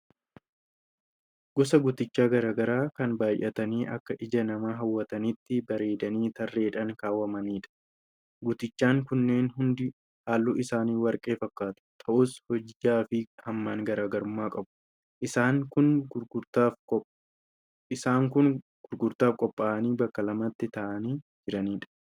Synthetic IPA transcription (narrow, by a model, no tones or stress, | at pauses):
ɡ̥ɔsɐɡʊt̪ɪt͡ʃːaːɡɐɾaːɡɐɾaːkɐnbaːjʔɐt̪ɐniːʔɐkːɐʔɪd͡ʒɐnɐmaːɦɐwːɐt̪ɐnɪt̪ːɪbɐɾe̞ːd̪ɐniːt̪ɐrːe̞ːᶑɐŋkaːwːɐmɐniːᶑɐ̥ | ɡʊt̪ɪt͡ʃːaːŋkʊnːe̞ːnɦʊnd̪ɪ | haːlːuʔɪsaːniːwɐɾkʼe̞ːfɐkːaːt̪ʊ̥t̪ʰɐʔʊshɔd͡ʒaːfɪhɐmːaːŋɡɐɾaːɡɐɾʊmːaːkʼɐbʊ̥ | ʔɪsaːŋkʊnɡt̪a | ɪsaːŋkʊn | ɡ̥ʊɾɡʊɾt̪aːfkʼɔpʼːaːʔɐniːbɐkːɐlɐmɐt̪ːɪt̪ɐʔɐniːd͡ʒɪɾɐniːᶑɐ̥